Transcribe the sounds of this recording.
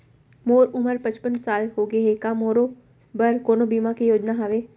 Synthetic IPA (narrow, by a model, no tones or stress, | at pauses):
moːɾʊməɾpɐ̃t͡ʃpənsaːlɦoːɡeɦekamoːɾo | bəɾkoːnobiːmakejoːd͡ʒnaɦaʋeː